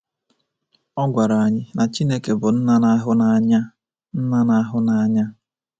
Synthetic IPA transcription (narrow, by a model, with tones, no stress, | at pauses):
ɔ˦ɡʷa˨ɾa˨a˨ɲɪ˦na˨t͡ʃi˦ne˦ke˨bʊ˨n̩˦na˦na˦ɦʊ˦na˨˦ɲa˦ | n̩˦na˦na˦ɦʊ˦na˨a˨ɲa˦